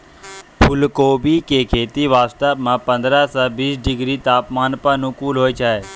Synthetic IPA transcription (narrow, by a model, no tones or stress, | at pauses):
pʰʊlkoːbiːkeːkʰeːt̪iːʋaːst̪əmãːpə̃nd̪ɾaːsãːbiːsɖɪɡɾiːt̪aːpmaːnpənũkuːlɦoːet͡ʃʰaːeː